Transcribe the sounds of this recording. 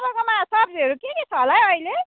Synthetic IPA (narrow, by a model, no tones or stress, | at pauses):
bʌkomasʌpʰɾiʌɾukeket͡sʰʌlajʌjle